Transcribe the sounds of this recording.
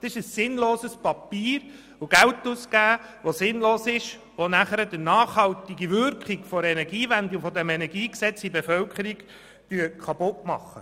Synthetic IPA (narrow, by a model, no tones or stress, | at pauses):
ɑsɪʃəsːɪnloːsəspɑpiːɾ | ʊɡæwtuskæːʋosɪnloːsɪʃ | ʋonæχəɾəd̥ənɑːχhɑltiɡiʋʏɾkχiɡfɔɾɛnɛɾɡiːvænd̪ifɔdɛmɛnɛɡiːksɛt͡sibefœwkʰχəɾiɡ | d̥yəkʰɑpʊtmɑ̰χːə